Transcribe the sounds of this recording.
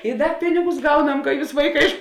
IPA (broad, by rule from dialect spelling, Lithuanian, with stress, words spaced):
ɪ ˈdɐ ˈpʲɪnʲɪɡʊs ˈɡɐʊˌnɐm kɐ ˈjuːs ˈʋɐɪˌkɑː ɪʃ